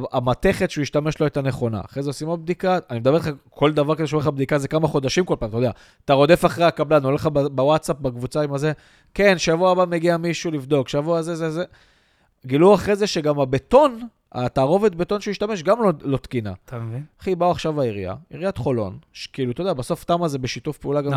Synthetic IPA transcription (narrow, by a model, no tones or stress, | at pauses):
amat̪e̞χe̞t̪ʃuiʃtame̞ʃloet̪ane̞χo̞na̰ːχʁezeosimob̚d̪ikaanimedableχakʰo̞ld̪avaʁkazeʃoleχabd̪ikazekamaχo̞d̪aʃimko̞lpaːmt̪odea | taʁo̞d̪e̞faχʁeakablanoleχababawatsap̚bakvut͡saimaze̞ | ke̞nʃejavoabame̞ɡiamiʃulivd̪o̞kʃejavoazezeze | ɡiluaχʁezeʃeɡamabeto̞n | a̰t̪aːʁo̞vet̪̚be̞t̪o̞nʃeuiʃtame̞ʃ̬ɡamlolo̞t̪kina̰χibauaχʃavaiʁija̰iʁijat̪χo̞lo̞̰nʃkiːlut̪odeabaso̞ftamazebeʃit̪ufpeulaɡam